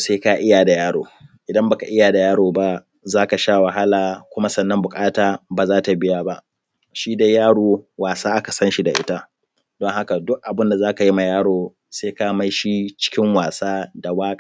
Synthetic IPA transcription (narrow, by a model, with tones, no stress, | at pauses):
seː˦ka˦ʔɪ˦ja˨da˨jaː˦ɽo̰ː˨ʔɪ˨dɐ˦mba˨ka˨ʔɪ˦ja˨da˨jaː˦ɽoː˨ba˦ | zaː˦ka˨ʃaː˦wɐ˨ɦa˦laː˨kʷʊ˦ma˦sɐ˨nːɐ˦mbʊ˨kʼaː˦taː˨baː˨zaː˦ta˨bɪ˦jaː˦ba˦ʔ | ʃiː˦da˦jaː˦ɽoː˨waː˨saː˦ʔa˦ka˨sɐ˦nʃi˦da˨ʔɪ̰˦ta˦ | d̥ɔ˦ŋɦa˦ka˨dʊ˦k̚ʔa˨bɪ˦nda˨zaː˦ka˨ji˦ma˨jaː˦ɽoː˨ | seː˦ka˦ma˦jʃi˦t͡ʃɪ̥˦kʲɪ˦ŋwaː˨saː˦da˨waː˦ka˨